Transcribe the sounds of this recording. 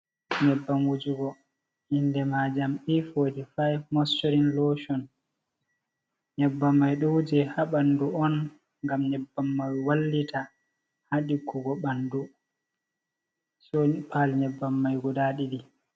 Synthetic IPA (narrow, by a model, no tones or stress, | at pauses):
ɲɛbːamwud͡ʒuɡɔ | indɛmad͡ʒamɗifoːdifajmɔst͡ʃːoɾinloʃɔn | ɲɛbːamːajɗɔwd͡ʒɛhaɓanduɔn | ŋɡamɲɛbːamːajwalːitʰa | haɗikːuɡɔɓandu | sɔpʰalɲɛbːamːajɡɔdaːɗiɗi